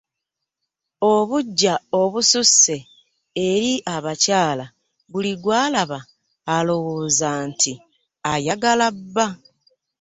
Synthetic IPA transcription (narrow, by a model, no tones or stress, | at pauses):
oβuɟːao̞βususːe̞ | eɾiʔaβacaːla | βuliɡwaːlaβaː | lo̞woːzaːntʰi | ajaɡalabːa